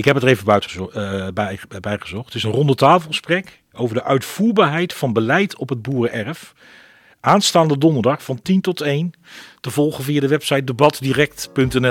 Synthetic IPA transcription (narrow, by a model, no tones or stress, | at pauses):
ɪkɦɛpətəejvətbbɛjχəzɔχtɪsənrɔndətaːfəlˠχəsprɛk | owvəɹdəʔœɥtfuːɹbaːɹɦɛjtfɑnbəlɛjtʰɔpɦəd̚buːrəʔɛrəf | ʔaːnstaːndədɔndəɹdɑχfɑntintɔtejntəvɔlˠχəviːadəʋɛpsɑjt̚dəbɑtdiːrɛk̚tpɵntɛnɛ